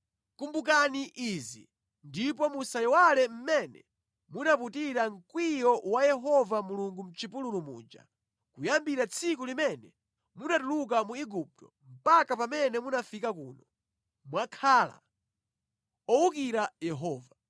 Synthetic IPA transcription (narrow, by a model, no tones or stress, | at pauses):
kumbuk̬aniʔizḭ | ndipɔmusajiwalɛm̩mɛnɛ̰ | munap̬utiɾaŋ̩kwijɔwajɛɦɔvamuluŋɡum̩t͡ʃipululumṵːd͡ʒa̰ | kujambiɾat͡sʰik̬ulimɛnɛ | munatuluk̬amuiɡup̚tɔ | m̩pakapamɛnɛmunafikak̬uːnɔ | mwakʰaːla̰ | ɔuk̬iɾajɛɦɔːva